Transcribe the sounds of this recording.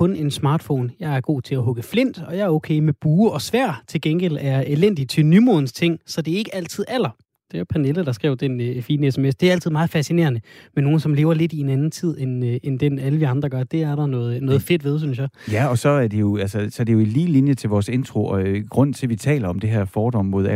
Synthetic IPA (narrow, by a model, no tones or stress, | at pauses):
kʰɔ̽ne̝nsmɑ̈ːd̥fɔ̰ːnjɑ̈ɪæɐɡ̥o̝̰ːt͡sʰe̝læɦɔ̽ɡ̥əfle̝n̰d̥ɒ̽jɑ̈ɪɐɔʊkʰeɪmeb̥uːɒ̽sʋæɐ̰t͡sʰe̝lɡ̥enɡ̥el̰æɐelen̰d̥it͡sʰe̝lnymoðˠn̩st͡sʰe̝ŋ̰sɒ̽d̥e̝ɐe̝ɡ̥əæl̰t͡sʰið̞̰ˠæl̰ɐ | d̥e̝opʰæneləd̥ɑ̈sɡ̥ʁɛʊ̰d̥enefiːnəesemesd̥e̝æɐæl̰t͡sʰiðˠɑ̈ːð̩ˠfæsine̝̰ːɐnəmenːo̝ːn̩sɒ̽mle̝ːʊɐle̝d̥ienænn̩t͡sʰið̰ˠenend̥enæləʋiɑ̈nd̥ʁɐɡ̥ɶɐd̥e̝æɐɾ̥ɑ̈nɔ̽ːð̩ˠnɔ̽ːð̩ˠfe̝d̥ʋe̝ð̞ˠsynsjɑ̈ɪjæɒ̽sɒ̽æɐd̥e̝jo̝ælsəsɒ̽ɐd̥e̝jo̝iliːlinjət͡sʰe̝lʋɒːse̝nt͡sʰʁo̝ɒɡ̥ʁɔ̽n̰t͡sʰe̝lʋit͡sʰɛ̰ːlɐɒ̽md̥e̝ɦeɐ̰fɒːd̥ɒ̽m̰mo̝ðˠ